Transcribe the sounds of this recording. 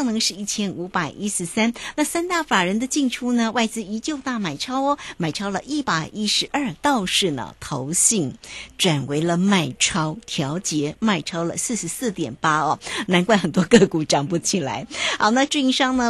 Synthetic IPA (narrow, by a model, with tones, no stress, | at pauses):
ŋnɤ˧˥ŋʂɻ̩˥˧i˥˩t͡ɕʰjɛ˥nu˧˥pa˨˩ɪʔi˥ʂɻ̩˧˥sa˥nna˥˩sa˥nt̪a˥˩fa˨˩ɻə˧˥nd̪ə˧t͡ɕi˥˧ŋʈ͡ʂʰu˥nə˨wa˥˩ɪt͡sɹ̩˥i˧˥t͡ɕjo˥˧ʊt̪a˥˩ma˨˩ɪʈ͡ʂʰɑ˥ʊ˧ma˨˩ɪʈ͡ʂʰɑ˥ʊlə˨ʔi˥˩pa˨˩ɪʔi˥ʂɻ̩˧˥ʔə˞˥˧t̪ɑ˥˧ʊʂɻ̩˥˩nə̰˩t̪ʰo˧˥ʊɕi˥˩ŋʈ͡ʂwa˨˩nwe˧˥ɪlə˧ma˥˩ɪʈ͡ʂʰɑ˥ʊt̪ʰjɑ˧˥ʊt͡ɕjɛ˧˥ma˥˩ɪʈ͡ʂʰɑ˥ʊlə̰˨sɹ̩˥˩ʂɻ̩˧˥sɹ̩˥˩t̪jɛ̰˨˩npa˥ɐ˥˧na˧˥nkwa˥˩nxə˨˩nt̪wɔ˥kɤ˥˩ku˨˩ʈ͡ʂɑ˨˩ŋpu˥t͡ɕʰi˨˩la̰˧˥ɪxɑ˧ʊna˥˧ʈ͡ʂu˥˧i˥˧ʂɑ˥ŋnə˨